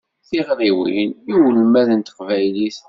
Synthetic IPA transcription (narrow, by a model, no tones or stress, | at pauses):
θiʁɾiwḭniwəlmæðənt̪ə̥qvæjliθ